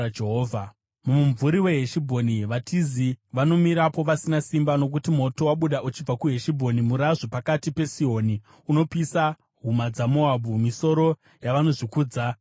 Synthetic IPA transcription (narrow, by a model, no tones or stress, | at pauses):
d͡ʒeɦoːvʱa | mumuɱvuɾiwe̞ɦeʃibʱo̞niʋatʰiziʋano̞miɾapo̞ʋasinasimbano̞k̬utimo̞to̞waɓuɗaʔut͡ʃib͡vakuɦe̞ʃibʱo̞nimuɾaʐopakatipe̞sio̞ni | uno̞pisa | ɦumad͡zamoabʱumiso̞ɾo̞ | jaʋano̞ʐikuːd͡za